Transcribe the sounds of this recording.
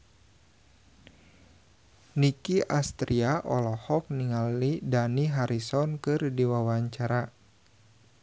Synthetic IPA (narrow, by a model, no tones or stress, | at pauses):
nikiʔast̪ɾiaʔɔ̰lɔhɔk̚niŋalːidaniɦaɾisɔnkɨrdiwawaɲt͡ʃaɾa